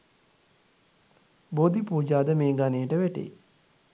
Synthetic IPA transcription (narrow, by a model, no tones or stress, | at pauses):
bod̪ipuːd͡ʒaːd̪əmeːɡanejəʈəʋæʈḛ